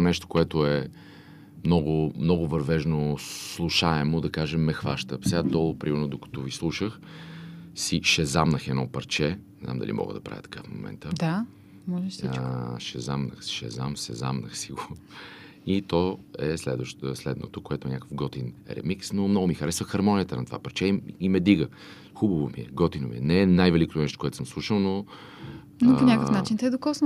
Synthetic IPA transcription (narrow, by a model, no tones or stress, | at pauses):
nɛʃt̪o̥koɛt̪oɛ | mnɔɡʊmnɔɡʊvɐɾvɛʒnoslˠuʃaɛmod̪ɐkaʒɛmːɛxvaʃt̪əfsɛad̪ɔlˠopɾimɛɾnod̪okə̥t̪ovislˠuʃəx | siʃɛzamnəxɛd̪nɔpɐɾt͡ʃɛnɛzna̰md̪ɐ̰lʲʔḭmɔ̰ɡə̰d̪ɐpɾa̰vʲjə̰t̪ɐ̥ka̰fmo̰mɛ̰nt̪əd̪a | mɔli | ʃɛzamnəxsʃɛ̰zamsɛza̰mnəxsiɡo | it̪ɔɛslɛd̪vəʃslɛd̪no̰t̪okoɛt̪oɛnʲakəfɡɔt̪inɾɛ̰miksnomnɔɡʊmixɐɾɛsvəxɐɾmɔnʲijət̪ənɐt̪ova̰pɐɾt͡ʃɛimɛd̪iɡə | xubəvomiɛɡɔt̪inoviɛnɛɛnajvɛlikot̪onɛʃt̪okoɛt̪o̥səmslˠuʃəlˠno | noponʲakəfnat͡ʃint̪ɛd̪okɔsn